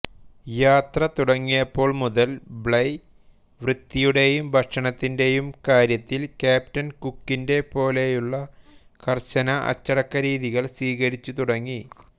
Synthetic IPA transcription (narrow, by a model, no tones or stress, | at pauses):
jaːt̪rɐt̪uɽɐŋːijɐpːo̞ːɭmuðɐlbɭɐj | ʋrɨt̪ːijuɽe̞jumbʱɐʈʂɐɳɐt̪ːinde̞jumkaːɾjɐt̪ːilkaːp̚tɐnkukːinde̞po̞ːle̞juɭːɐ | kɐrt͡ɕɐnɐʔɐ̰t͡ɕːɐɽɐkːɐɾiːðiɣɐɭsiːɣɐɾit͡ɕːut̪uɽɐŋːi